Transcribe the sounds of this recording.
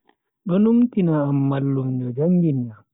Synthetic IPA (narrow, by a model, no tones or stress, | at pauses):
ɗɔnuŋtinaːmːalːumd͡ʒɔd͡ʒaŋɡina